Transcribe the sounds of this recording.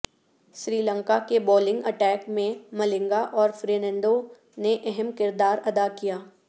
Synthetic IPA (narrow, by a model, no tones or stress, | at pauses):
ʃɾiːlə̃ŋkakebɔːlɪ̃ŋɡɐʈɛːkmẽmɐlɪ̃ŋɡaʔɔːɾfɾeːnɛ̃ɳɖo | neʔɛɦɛmkɪɾd̪aːɾɐd̪akijaː